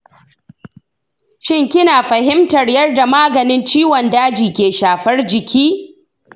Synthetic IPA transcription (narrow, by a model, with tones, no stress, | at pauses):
ʃɪ˦ŋkʲɪ˦naː˨ɸɐ˨hɪ˦mtɐ˨rjɐ˦rda˨maː˦ɡɐ˨nɪ˦nt͡ʃiː˦wɔ˨ndaː˦d͡ʒiː˨kʲeː˨ʃaː˨ɸɐ˦rd͡ʒɪ˨kʲʰiː˦